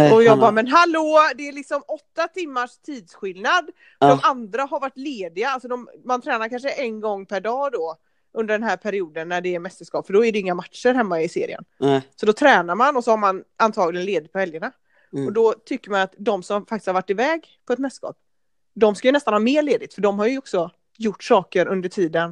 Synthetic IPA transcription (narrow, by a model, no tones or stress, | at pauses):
ɔjɑːɡbɑːmɛnɦaloːd̪ɛælɪksɔmɔt̪ːat̪ʰɪmːaʂt̪ʰiːd̪sɧɪlnad̪ | d̪ɔmand̪ɾaɦaɾvaʈːleːd̪ɪaalsɔd̪ɔmmant̪ʰɾɛːnaɾkʰanʂəʔɛnɡɔŋːpʰæɖɑːd̪ɔ | ʔɵnd̪əɖɛnɦæːɾpʰæɾɪuːd̪ənːæɖɛːɾmɛst̪əʂkɑːpfœɖɔæɖɛɪŋːamatʂəɾɦɛmːaɪsḛːɾɪ̰ə̰nsɔd̪ɔt̪ʰɾɛːnaɾmanɔsɔhaɾmanant̪ʰɑːɡlɪɡənleːd̪ɪt̪̚pʰɔhɛljəɳa | ɔd̪ɔt̪ʰʏkːəɾmanat̪d̪ɔmsɔmfak̚t̪ɪ̥shavaʈːɪvɛːɡ | pʰɔɛt̪mɛst̪skɑ̰ːp̚ | d̪ɔmskajʉnɛst̪anhɑːɾmeːɭeːd̪ɪt̪fœɖɔmɦaɾjɔksɔ | jʊʈːsɑːkəɾɵnd̪əʈʰiːd̪ən